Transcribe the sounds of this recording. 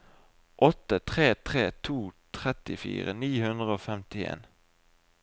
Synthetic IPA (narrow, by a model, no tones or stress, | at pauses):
ʔɔt̪ət̪ʰʁeːt̪ʰʁeːt̪ʰuːt̪ʰʁɛt̪ɪfḭːʁəniːhʉnd̪ʁəoːfɛmt̪ɪḛːn